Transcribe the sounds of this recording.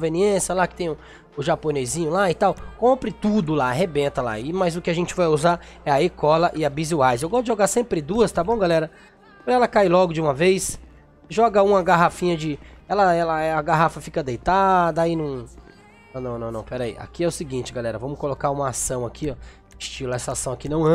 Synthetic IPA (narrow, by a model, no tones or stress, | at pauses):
õveniẽsjɐlakɪ̥t̪ẽj̃ʊ | ʊʒaponezĩɲʊlaɪt̪awkõmpɾɪt̪ud̪ʊlaaɦebẽnt̪ɐla̰ɪmɐjzʊkɪaʒẽnt͡ʃɪvajuzaɛɐekɔlɐʔɪɐbizuajzewɡɔst̪dd͡ʒɪʒoɡaɾsẽmpɾɪd̪uɐst̪abõɡalɛɾɐ | pɾɐɛlɐkajlɔɡʊd͡ʒɪũmɐvejs | ʒɔɡɐũmɐɡaɦafĩɲɐd͡ʒɪɛlɐɛlɐɛɐɡaɦafɐfikɐd̪ejt̪ad̪ɐainɐ̃w̃ | nɐ̃w̃nɐ̃w̃nɐ̃w̃nɐ̰̃w̃pɛɾaḭa̰kiɛʊsɪɡĩnt͡ʃɪɡalɛɾɐvɐ̃mʊkolokaɾũmɐasɐ̃w̃akʰiɔ | ɪst͡ʃilɛsɐasɐ̃w̃akinɐ̃w̃ɐ̃